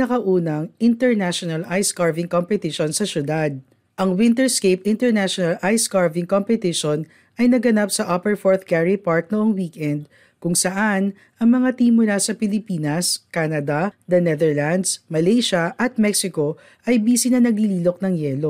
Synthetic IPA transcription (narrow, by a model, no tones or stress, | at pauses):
nɐkɐʔuːnɐŋʔɪnt̪ɛɹnaʃonɐlʔajskaɹvɪŋkompɛt̪ɪʃonsɐsjʊd̪ad̪̚ | ʔɐŋwɪnt̪ɛɹskejpɪnt̪ɛɹnaʃɔnɐlʔajskaɹvɪŋkompɛt̪ɪʃon | ɐjnɐɡɐnapsɐʔapɛɹfoɹθkɛɹipaɹt̪̚noʔoŋwiːkɛnd̪̚ | kʊŋsɐʔan | ʔɐŋmɐŋat̪iːmʊlasɐpɪlɪpiːnɐskaːnɐd̪ɐd̪ɐnɛðɛɹland̪smɐlejʃɐʔɐt̪̚mɛksɪko̞ | ʔɐjbiːsinɐnɐɡliliːlok̚nɐŋjɛːlo